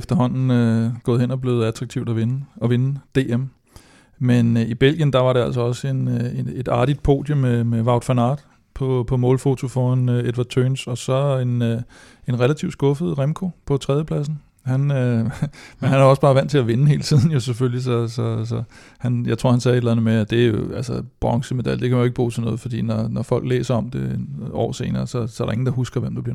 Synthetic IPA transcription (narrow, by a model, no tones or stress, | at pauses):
efd̥ɐɦɒ̽n̰n̩øɡ̥ɔ̽ːðˠɦen̰ɒb̥le̝ʊð̩ˠæt͡sʰʁɑɡ̚t͡sʰiʊd̥æʋe̝nəɒ̽ʋe̝nəd̥e̝̰ːem | menib̥el̰ɡ̥jənd̥ɑ̈ʋɑ̈ɾe̝æl̰sɒ̽ɒ̽se̝nee̝d̥ɑ̈ːɾ̥id̥̚pʰo̝̰ːd̥jomemeʋɑ̈ʊd̥fænɑ̰̈ːd̥ | pʰɒ̽pʰɒ̽mɔ̽ːlfo̝t͡sʰo̝fɒænøed̥ʋɑ̈dt͡sʰøːnsɒ̽sɒ̽e̝n | e̝nʁelæt͡sʰiʊsɡ̥ɔ̽fəð̩ˠʁemkʰo̝pʰɒ̽t͡sʰʁɛðˠjəpʰl̥æs̬n̩ | hænø | menɦænæɐɒ̽sb̥ɑ̈ːʋæn̰t͡sʰe̝læʋe̝nəhe̝ːlət͡sʰið̰ˠn̩jo̝seføllisɒ̽sɒ̽sɒ̽ | hænjɑ̈ɪt͡sʰʁo̰hænsɛːed̥læn̩ð̩ˠmeæd̥e̝æɐjo̝ælsɐb̥ʁɑ̈ŋsəme̝d̥æld̥e̝kʰæmænjoeɡ̥əb̥ṵːsʰenɔ̽ːð̩ˠfɒ̽d̥ḭːnɒnɒfɒ̽l̰ɡ̥lḛːsɐɒ̽md̥e̝enɒ̰ːse̝ːnɐːsɒ̽sɒ̽æɾɑ̈e̝ŋn̩d̥ɑ̈ɦusɡ̥ɐʋemd̥ub̥iɐ